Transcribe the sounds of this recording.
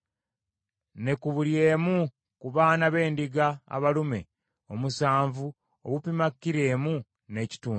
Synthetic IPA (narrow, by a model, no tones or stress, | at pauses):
ne̞kuβulje̞ːmu | kuβaːnaβe̞ːndiɡa̰ːβalume̞̰ | o̞musaːɱvu | o̰βupimakːiɾe̞ːmu | ne̞ːci̥tuː